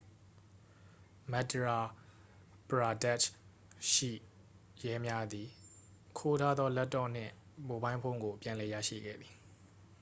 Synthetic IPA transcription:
mɛ˦˨təɹa˨ | pəɹa˨dɛ˦t͡ʃ | ʃḭ˦˨ | jɛ˦mja˦d̪i˨ | kʰo˦tʰa˦d̪ðɔ˦lɛ˦tːɔ˨n̥ɪ̰̃˦˨ | bo˨bã˦ɪ̃mpʰõ˦ŋɡo˨pjã˨lɛ˨jä̰˦˨ʃḭ˦˨ɡɛ̰˦˨d̪i˨

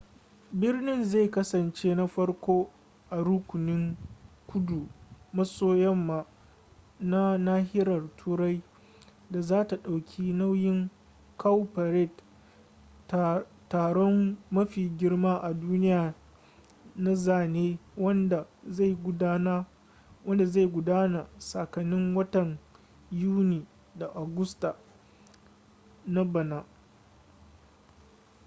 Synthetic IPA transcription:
bɪ˦rnɪ˦nza˦˨jkɐ˦sɐ˨nt͡ʃeː˦na˦ɸɐ˦ɽkʷoː˦ | ʔa˨ɾʊ˦kʷʊ˨nɪ˦ŋ | kʷʊ˦du˨mɐ˦soː˦jɛ˦mːa˨ | na˦naː˦ɦɪ˦ɾɐ˨rtʰuː˦ɾa˦j | da˨zaː˦ta˨ɗa˨wkʲʰi˦na˦wjɪ˦ŋ | kʰa˦wpɐ˨ɾɛ˦˨t | taː˨ɽɔ˦mːɐ˦ɸiː˨ɡʲɪ˦rmaː˦ʔa˨duː˦nɪ˦jaː˨ | na˦zaː˨neː˦wɐ˦nda˨˦˨jɡna˦ | wɐ˦nda˨za˦˨jɡʷʊ˨daː˦na˨sa˨kɐ˨nːɪ˦ŋwɐ˦tɐ˨ŋ | juː˦niː˨ | da˨ʔa˨ɡʊ˦sta˨ | na˦bɐ˨naː˨

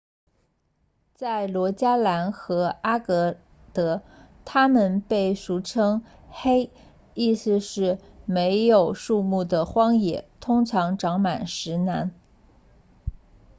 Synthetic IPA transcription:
t͡sa˥˩ɪlwɔ˧˥t͡ɕja˥la˧˥nxɤ˧˥a˥kɤ˧˥ | t̪ɤ˧˥ | t̪ʰa˥mə˨npe˥˩ɪʂu˧˥˩ʈ͡ʂʰɤ˥ŋ | xe˥ɪ | i˥˩sɹ̩˧ʂɻ̩˥˩me˧˥ɪjo˨˩ʊʂu˥˧mu˥˩d̪ə˩xwɑ˥ŋjɛ̰˨˩t̪ʰʊ˥ŋʈ͡ʂʰɑ˧˥ŋʈ͡ʂɑ˧˥ŋma˨˩nʂɻ̩˧˥na˧˥n

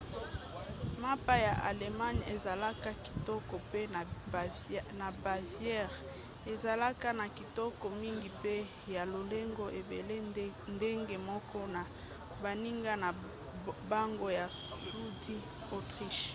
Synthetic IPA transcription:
ma˦pa˦ja˨ʔa˨le˨ma˦ɲḛ˨za˨la˦ka˦ki̥˨tɔ˦kɔ˨pe˦˨ | na˨ba˨vjɛ˦˨ʁ | e˨za˨la˦ka˦na˨ki˨tɔ˦kɔ˨mi˦ŋɡi˨pe˦ | ja˨lo˨le˦ŋɡo˦ʔe˨be˨le˦nde˦ŋɡe˦mɔ˦kʰɔ˦na˨ | ba˨ni˦ŋɡa˦na˨ | ba˦ŋɡo˦ja˨su˦di˦ | o˨tʁi˦ʃ

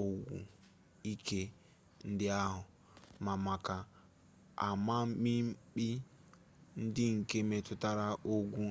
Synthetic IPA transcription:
o˨ɡʷṵ˨ | i˦ke˦ | n̩˦dɪ˦a˦ɦʊ˨ | ma˨ma˨ka˨ | a̰˨ma˦m̩˦mi˦m̩˦k͡pi˦ | n̩˦dɪ˦ŋ̩˨ke˦me˨tʊ˦ta˦ɾa˦ʔo˦ɡʷu˦

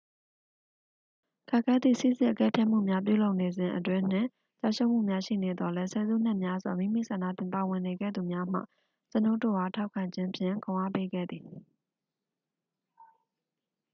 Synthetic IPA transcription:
kʰa˦˨ʔkʰɛ˦d̪ðḭ˦˨sḭ˦˨zɪ̰̃˦ʔəkɛ˦pʰjɛ˦ʔm̥ṵ˦˨mja˦p̬jṵ˦˨lo˦ʊʔne˨zɪ̃˨ʔətwɪ̃˦n̥ɪ̰̃˦˨ | t͡ɕa̰˦˨ʃo˦ʊm̥ṵ˦˨mja˦ʃḭ˦˨ne˨d̪ɔ˨lɛ˦sɛ˨zṵ˦˨n̥ɪ̃˦ʔmja˦zwa̰˨mḭ̃˦˨mḭ˦˨sʰã˨na̰˦˨t̪ɪ̃˨mpa˨wɪ̃˨ne˨ɡɛ̰˦˨d̪u˨mja˦m̥ä̰˦˨ | t͡ɕəno˦˨to̰˦˨ha˨tʰa˦ʊkʰã˨ɲd͡ʑɪ̃˦mpʰjɪ̰̃˦˨kõ˨ʔa̰˦˨pe˦ɡɛ̰˦˨d̪ði˨

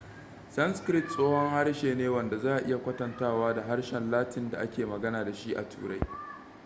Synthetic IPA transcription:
sɐ˦nskɾɪ˦tsʼoː˦hɔ˦ŋha˦ɽʃeː˨neː˦wɐ˨nda˨zaː˦ʔa˨ʔɪ˦ja˨kʷɐ˦tɐ˨ntaː˦˨waː˦da˨ɦa˦rʃɛ˨nlaː˦tʰɪ˨nda˨ʔa˦kʲeː˨mɐ˨ɡɐ˦naː˨da˨ʃi˦ʔa̰˨tʰṵː˨ɽa̰˦j

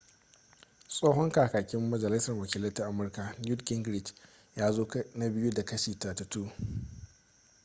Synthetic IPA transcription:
sʼoː˦ɦɔ˦ŋkaː˨kaː˨kʲɪ˦mːɐ˦d͡ʒɐ˨lɪ˦sɐ˨rwɐ˨kʲiː˦lɐ˦jta˦ʔa˦mʊ˦rka˨nju˦tkɪ˦ŋɡɾɪ˦˨d͡ʒ | jaː˦zoː˦kna˦bɪ˦ju˦da˨kɐ˦ʃiː˨ta˨tɐ˨tuː˦

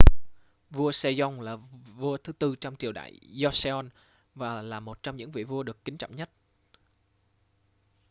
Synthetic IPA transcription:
vu˧əsɛ˧zɔ˧wŋ͡mlaː˨˩vu˧ət̪ʰɨ˨˦t̪ɨ˧t͡ɕɔ˧ŋ͡mt͡ɕi˨˩əwɗa̰ː˧˨jzɔ˧sɛ˧ɔ˧n | vaː˨˩laː˨˩mo˨˩t̚t͡ɕɔ˧wŋ͡mɲɨ̰˧˥ŋvḭ˧˨vu˧əɗɨ˨˩əkːï˨˦ŋ̟t͡ɕɔ̰˧˨wɲə˦˥t̚

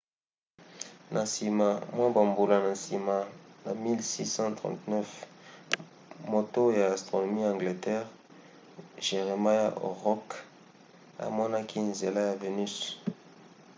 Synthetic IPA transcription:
nʔa˨si˨ma˨mwa˦ba˨mbu˨la˨na˨si˨ma˨na˨mi˦lsi˦sɑ̃˦tʁɑ̰̃˨tnɛ˦f | mo˨to˦ja˨a˨stʁo˨no˨mi˦ã˨ŋɡle˨tɛ˦ʁ | ʒe˨ʁe˨ma˦ja˦ʔo̰˨ʁɔ˦k | a̰˨mɔ˦na˦kʰi˦nze˨la˦ja˨ve˨ny˦s

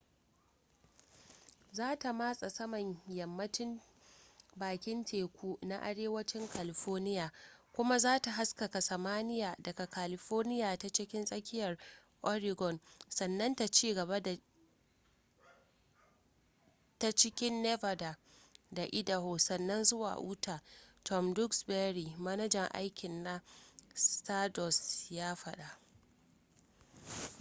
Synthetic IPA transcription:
zaː˦ta˨maː˦sʼa˨sɐ˦mɐ˨ɲjɐ˨mːɐ˦t͡ʃɪ˦n | baː˨kʲɪ˦ntʰeː˨kʷuː˦na˦ʔa̰˦ɽeː˦wɐ˦t͡ʃɪ˦ŋkʰaː˨lɪ˨ɸɔː˦rnɪ˦jaː˨kʷʊ˦ma˦zaː˦ta˨ɦa˦skɐ˨ka˨sɐ˨maː˦nɪ˦jaː˨dɐ˨ka˨kaː˨lɪ˨ɸoː˦rnɪ˦jaː˨ta˦t͡ʃɪ˦kʲɪ˦nsʼɐ˦kʲɪ˦jɐ˨r | ʔɔ˦ɾɪ˨ɡɔ˨nsɐ˨nːɐ˦nta˨t͡ʃiː˦˨ɡɐ˨βa˦da˨ | ta˦t͡ʃɪ˦kʲɪ˦nːɛ˦vɐ˨da˨ | da˨ʔɪ˦da˨hoː˨sɐ˨nːɐ˦nzʊ˦wa̰ː˨ʔuː˦tʰaː˨tʰɔ˦mdʊ˦ksbɛ˦ɾi˨mɐ˦nɐ˦d͡ʒɛ˨ŋʔa̰˦jkʲɪ˨nːa˦staː˦dɔ˨sjaː˦ɸɐ˦ɗa˨ʔ

